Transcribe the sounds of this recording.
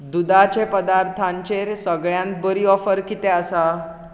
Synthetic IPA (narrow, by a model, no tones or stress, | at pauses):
d̪ud̪at͡ɕepəd̪aɾt̪ʰãɲt͡ɕeɾsəɡɭjãnt̪̚bəɾiɔfəɾkit̪ẽəsa